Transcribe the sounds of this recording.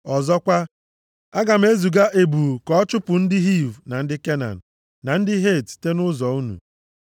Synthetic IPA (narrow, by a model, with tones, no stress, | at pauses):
ɔ˨zɔ˦kʷa˦ | a˦ɡa˨m̩˦e˦zu˨ɡa˦ʔe˨bu˨kɔ˦ɔ˦t͡ʃʊ˦pʊ˨n̩˦dɪ˦ɦi˦˨vna˨n̩˦dɪ˦ke˦na̰˨n̩˨ | na˨n̩˦dɪ˦ɦe˦˨tte˦nʊ˦zɔ˨u˦nṵ˨